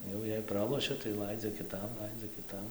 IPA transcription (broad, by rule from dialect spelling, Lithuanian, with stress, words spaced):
ˈjɛʊ jɛɪ ˈprɑːlˠoːʃʲɛ tɐɪ ˈlˠɐɪd͡zʲɛ kʲɪˈtɐm ˈlˠɐɪd͡zʲɛ kʲɪˈtɐm